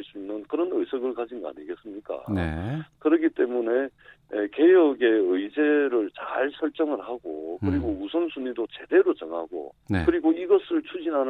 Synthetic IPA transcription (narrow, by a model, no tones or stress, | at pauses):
ɭs͈uinnɯnkɯɾʌnɯjsʰʌɡɯɭkad͡ʑinɡoa̰ɲiɡe̞s͈ɯmɲik͈a̰nḛkɯɾʌkit͈e̞mune̞ke̞jʌɡe̞ɯid͡ʑe̞ɾɯɭt͡ɕaɭsʰʌɭt͡ɕ͈ʌŋɯɭhaɡo̰kɯɾiɡousʰʌnsʰunidot͡ɕe̞de̞ɾot͡ɕʌŋɦaɡo̰nekɯɾiɡoiɡʌsʰɯɭt͡ɕʰud͡ʑinɦanɯ